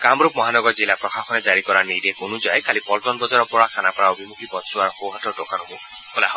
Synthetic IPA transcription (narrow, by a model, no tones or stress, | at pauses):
kamɾup̚mɔɦanɔɡɔɾd͡ʒilapɾɔxakʰɔned͡ʒaɾikɔɾaɾnidekonud͡ʒajkalipɔltɔnbɔd͡ʒaɾɔpɔakʰanapɾaobʱimukʰipɔtsuaɾɔxowɦatɔɖokanɔbo | holaɦ